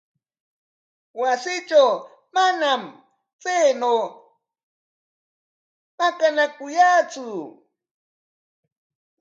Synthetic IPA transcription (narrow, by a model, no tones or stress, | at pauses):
wasɪt͡ʃaw | manam | t͡sejnoː | makanakʊjaːt͡sʊ